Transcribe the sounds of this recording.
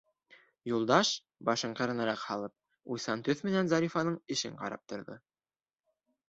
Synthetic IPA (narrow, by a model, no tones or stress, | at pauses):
julˠd̪ɑʃ | bɑʃɤɴqɤ̆ɾɤ̆nɑɾɑqhɑlˠɤp̚ | ujsɑnt̪ɵθmɘ̆nænzɑɾʲifɑnɤɴɘ̆ʃɘ̰ɴqɑ̰ɾɑ̰p̚t̪ŏɾðo̰